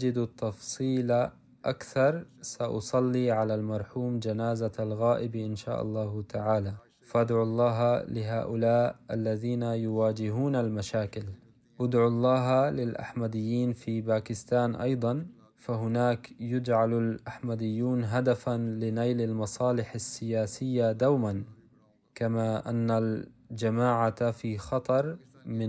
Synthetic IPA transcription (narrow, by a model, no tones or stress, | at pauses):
d͡ʒɪd̪t̪ːɑfsˤiːla | ʔakθɑɾˤsaʔɑ̰sˤɑlːiʕalalmɑɾˤħuːmd͡ʒanaːzaalɣaːʔɪbʔɪnʃa̰ːʔɑ̰lˤːɑːht̪ʰaʕaːla | faʔad̪ʕlˤːɑːɦlɪɦa̰ːʔʊlaːʔa̰lːaðiːnajʊwaːd͡ʒɪɦuːnalmaʃaːkɪl | ʔʊd̪ʕulˤːɑːɦlɪlʔa̰ħmad̪ɪjːiːnfiːbaːkɪst̪aːnʔɑ̰jd̪ˤɑn | faɦʊnaːkjʊd͡ʒʕalalʔaħmad̪ɪjːuːnɦad̪afanlɪnajlalmɑsˤɑːlɪħasːɪjaːsɪjːad̪awman | kamaʔanːald͡ʒamaːʕafiːxɑt̪ˤɑɾˤ | mɪ